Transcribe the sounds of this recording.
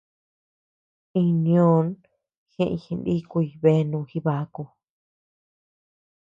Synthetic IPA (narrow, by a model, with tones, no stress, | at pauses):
ĩ˧nĩ˧õ˦n | xẽ˧˦ʔḭ̃˧hĩ˧ndi˦ku˧i˧˨βe˦˧nũ˧xi˦βa˨˧˦ku˧